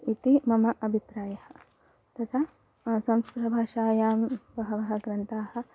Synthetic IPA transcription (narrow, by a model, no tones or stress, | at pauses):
it̪imɐmɐʔɐbʱipɾaːjɐhɐ̆ | t̪ɐt̪ʰa | sɐmskɾit̪ɐbʱaːʃaːjaːmbɐɦɐʋɐɦɐ̆ɡɾɐnt̪aːhɐ̆